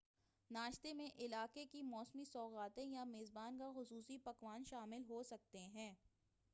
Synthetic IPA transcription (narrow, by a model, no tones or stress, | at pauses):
naːʃt̪emẽʔɪlaːkekimɔːsmisɔːɣaːt̪ẽjameːzbaːnkaxʊsuːsipɐkʋaːnʃaːmɪlɦosɐk̚t̪eɦɛ̃ː